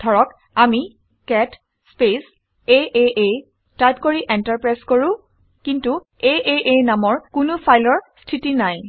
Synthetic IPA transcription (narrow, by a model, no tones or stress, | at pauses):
dʱɔɹɔk | ami | kɛt | spes | eʔeʔe | tajp̚koɹiʔɛntaɹpɹajskoɹʊ̃ | kintu | eʔeʔenamɔɹkʊnʊpʰajlɔɹstʰitinaj